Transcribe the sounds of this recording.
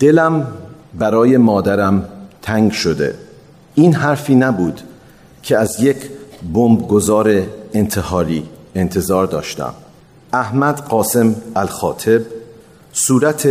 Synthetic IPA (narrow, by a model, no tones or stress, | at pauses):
d̪̥elæm | bæɾɒːje̞mɒːd̪æɾæmt̪ʰæŋɡʃo̞d̪e̞̰ | iːnɦæɾfiːnæbuːd̪̥ | cʰeæzje̞cʰbombɡozɒːɾe̞ent̪ʰe̞hɒːɾiːe̞nt̪ʰe̞zɒːɾd̪ɒːʃt̪æ̰m | æhmæd̪ɢɒːse̞mælxɒːt̪ʰe̞b̚ | suːɾæt̪ʰe